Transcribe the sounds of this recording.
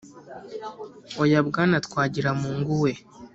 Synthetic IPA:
ojabɡaːnatkwaːɟiɾamuːŋɡuwe̞

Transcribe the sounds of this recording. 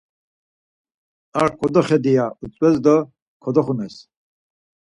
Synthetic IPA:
aɾkʼɔd̪ɔχɛd̪ijaut͡sʼwɛsd̪ɔ | kʰɔd̪ɔχunɛs

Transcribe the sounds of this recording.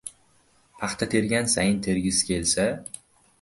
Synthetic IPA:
pʰɑχt̪ʰat̪ʰe̞ɾɡʲansajɪnt̪ʰe̞ɾɡʲɪsɪ̥kʲʰe̞lsa

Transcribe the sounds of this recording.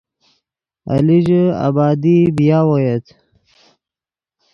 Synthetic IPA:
a̰liʒa̰bɑːd̪ibijaːwojet̪

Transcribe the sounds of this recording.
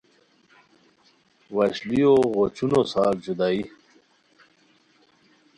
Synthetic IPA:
waɕlioɣot͡ɕunosaːɾd͡ʑud̪aːi

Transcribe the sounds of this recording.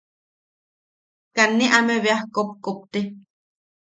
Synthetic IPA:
kanːiʔameβeahkop̚kop̚t̪e

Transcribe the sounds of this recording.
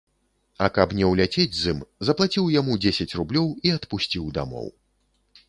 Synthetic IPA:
ɐkɐpnʲɛwlʲat͡sʲed͡zʲzɨmzɐplˠat͡sʲiwjamud͡zʲesʲɐt͡sʲrublʲɔwiɐt̪pusʲt͡sʲiwd̪a̰mɔ̰w

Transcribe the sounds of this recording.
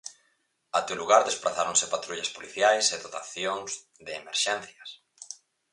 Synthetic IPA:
at̪ewluɣaɾðesplaθaɾõŋsɪpat̪ɾuʎaspoliθjajseðot̪aθjoŋz | ðɪːmeɾʃɛnθjɐs

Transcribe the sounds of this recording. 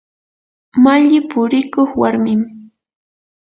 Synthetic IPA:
maʎɪpʊɾɪkoχwaɾmɪm

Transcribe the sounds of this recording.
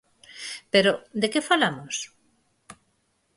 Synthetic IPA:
peɾod̪ekefalamos

